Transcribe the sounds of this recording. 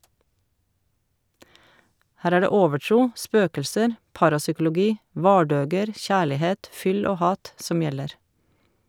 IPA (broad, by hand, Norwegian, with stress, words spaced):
ˈhæːɾ ˈæː ˈɖeː ˈoːʋəˌʈɾuː ˈspøːkl̩səɾ ˈpɑːɾɑsʏkl̩ʊˌɡiː ˈʋɑːɖøːɡəɾ ˈçæːɭɪˌheːt ˈfʏl ˈoː ˈhɑːt ˈsɔm ˈjɛləɾ